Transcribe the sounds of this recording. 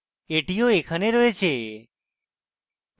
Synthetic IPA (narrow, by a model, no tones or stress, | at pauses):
eːʈɪjoːeːkʰəneːɾoːeːt͡ʃʰeː